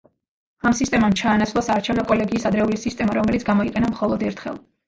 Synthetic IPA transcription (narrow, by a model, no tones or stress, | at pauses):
amsist̪ʼɛmamt͡ʃʰaːnatsʰlˠɔsaːɾt͡ʃʰɛvnɔkʼɔlɛɡiːsad̪ɾɛulisist̪ʼɛmaɾɔmɛlit̪sɡamɔiqʼɛnamχɔlˠɔd̪ɛɾt̪ʰχɛ̰lˠ